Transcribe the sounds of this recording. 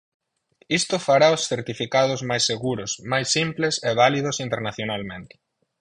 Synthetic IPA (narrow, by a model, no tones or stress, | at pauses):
ist̪ʊfaɾaosθeɾt̪ifikað̞ʊzmajsːeɣuɾʊsmajsːimplɪseβ̞alið̞ʊsint̪eɾnaθjonalmẽnt̪ɪ̥